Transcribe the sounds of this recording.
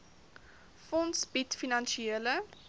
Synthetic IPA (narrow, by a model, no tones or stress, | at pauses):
fɔnsb̥itfinɐnʃieələ